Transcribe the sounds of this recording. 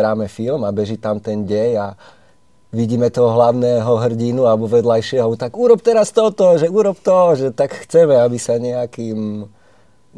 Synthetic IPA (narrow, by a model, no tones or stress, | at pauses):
ɾaːmɛfilmabɛʒit̪amt̪ɛnɟɛɲa | ʋiɟiːmɛt̪ɔɦɔɦlaʊnɛːɦɔɦr̩ɟinualɛbɔʋɛd̪lajʃɪɛɦaɔbɔt̪aɡuɾɔp̚t̪ɛɾast̪ɔt̪ɔʒɛuɾɔpt̪ɔʒɛt̪akxt͡sɛmɛabisaɲɛakiːm